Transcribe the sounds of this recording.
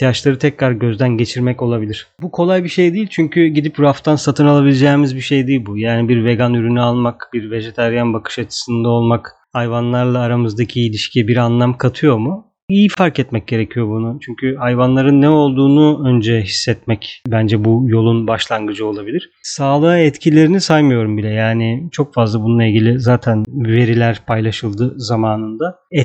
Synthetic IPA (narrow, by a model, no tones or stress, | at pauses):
t̪ʰijat͡ʃlˠaɾɯt̪ʰɛcɾaɾɟø̞zd̪ænɟe̞t͡ʃʰiɾmɛco̞lˠabilʲiɾ̝̥bukʰo̞lˠajbiʃe̞jd̪iːilʲt͡ʃʰyɲcʰyɟid̪ipɾuaft̪ʰansat̪ʰɯnalˠabilʲed͡ʒɛːmizbiʃe̞jd̪iːilʲbujaːnibiɾve̞ɡanyɾynyalˠmakbiɾve̞ʒet̪ʰaɾjanbakʰɯ̥ʃat͡ʃʰɯ̥sɯnd̪ao̞lˠmak | ajvanlˠaɾlˠaːɾamɯzd̪acʰiːlʲiʃcʰibiɾanlˠamkʰat̪ʰɯjo̞mu | ijifaɾkɛt̪mɛc̚ɟe̞ɾe̞cʰijo̞bunut͡ʃʰyɲcʰyhajvanlˠaɾɯnːɛo̞lˠd̪uːnuønd͡ʒɛɦisːɛt̪mɛcbænd͡ʒɛbujo̞lˠunbaʃlˠanɡɯd͡ʒɯo̞lˠabilʲiɾ̥saːlˠaaɛt̪cʰilʲe̞ɾinisajmɯjo̞ɾumbilʲɛjaːnit͡ʃʰo̞kfazlˠabununːˠailʲɟilʲizaːt̪ʰænve̞ɾilʲæɾpʰajlˠaʃɯlˠd̪ɯzamaːnɯnd̪aɛ